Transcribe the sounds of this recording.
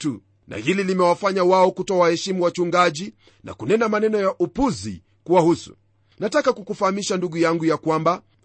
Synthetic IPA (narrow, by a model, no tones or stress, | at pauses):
tu | na̰hililimɛwafaɲawaɔkutɔawahɛʃimuwat͡ʃuŋɡaʄi | nʔa̰kunɛnamanɛnɔjaʔupuzḭ | kuwahusṵ | natakakukufahamiʃanduɠujaŋɡujakwamba